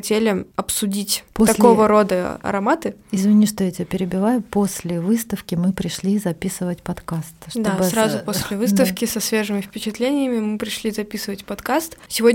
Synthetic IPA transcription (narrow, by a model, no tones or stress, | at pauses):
ɐtʲelʲɪɐpsʊdʲitʲpoɐko̞vəɾo̞d̪əɐ̰ɾɐmat̪ɨɪzvʲɪnʲiʂt̪ojɛtʲɪpʲɪɾʲɪbʲɪvajʊposʲlʲɪvɨst̪əfkʲɪmɨpɾʲɪʂlʲizɐpʲisɨvətʲpɐt̪kast̪ʂtd̪oabsɾazʊposʲlʲɪvɨst̪əfkʲɪsɐsvʲeʐɨmʲɪfpʲɪt͡ɕɪt̪lʲenʲɪjəmʲɪmɨpɾʲɪʂlʲizɐpʲisɨvətʲpɐt̪kast̪sʲɪvod